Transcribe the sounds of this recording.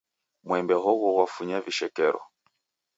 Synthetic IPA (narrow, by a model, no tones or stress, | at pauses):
mwɛmbɛɦɔɣɔɣwafuɲaviʃɛkɛɾɔ̰